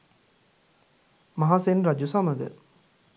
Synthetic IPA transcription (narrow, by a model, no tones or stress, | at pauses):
mɐɦaːsenɾɐd͡ʒusamɐɡ̪ə̰ɾ